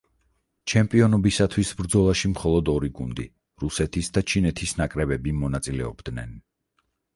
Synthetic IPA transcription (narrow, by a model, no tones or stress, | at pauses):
t͡ʃʰɛmpʼiɔnɔbisat̪ʰwisbɾd̪zɔlˠaʃimχɔlˠɔd̪ɔɾiɡund̪i | ɾusɛt̪ʰisd̪at͡ʃʰinɛt̪ʰisnakʼɾɛbɛbimɔnat̪sʼilɛɔ̰bd̪̥nɛn